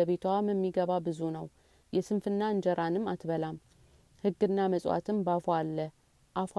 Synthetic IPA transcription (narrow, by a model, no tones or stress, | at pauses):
əβe̞t̪ʰwaməmːiɡəβabɨzunəw | jɛsɨnfɨnːaɨnd͡ʒəɾanɨmːat̪bəlam | hɨɡːɨnːaməsʼwa̰t̪ʰɨmbafalːə | ʔaf